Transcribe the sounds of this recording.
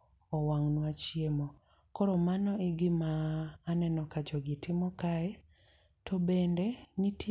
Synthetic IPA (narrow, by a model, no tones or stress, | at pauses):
ɔwaŋnwat͡ʃiemɔ | kɔɾɔmanɔeɡɪmaːnɛnɔkad͡ʒɔɡitɪmɔkaɛ | tʰobendenitʰ